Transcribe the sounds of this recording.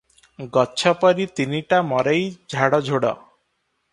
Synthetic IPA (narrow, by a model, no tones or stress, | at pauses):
ɡɔːʃʰɔpɔɾit̪iniʈamɔɾejd͡ʒʱaɽɔd͡ʒʱoɽɔ̰